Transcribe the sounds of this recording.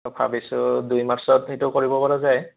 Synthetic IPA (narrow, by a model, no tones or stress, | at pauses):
bʰa̰bisʊdujmaɹsɔtxetʊkoɹibɔpaɹazaj